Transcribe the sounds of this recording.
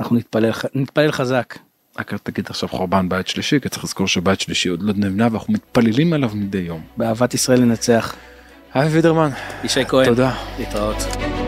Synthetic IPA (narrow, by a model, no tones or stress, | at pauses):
naχunitplelnit̪̚palelχazak | akat̪aɡid̪aχʃavχo̞ʁbanbajt̪ʃliʃiki̥t͡se̥χliz̥ko̞ʁʃebajt̪ʃliʃio̞d̪lod̪nevinavanaχnumit̪palelimelavmid̪ejːo̞mbeaːvat̪isʁae̞lːenat͡se̞aχ | haivid̪eʁmaniʃejkoeod̪alit̪ʁaot̪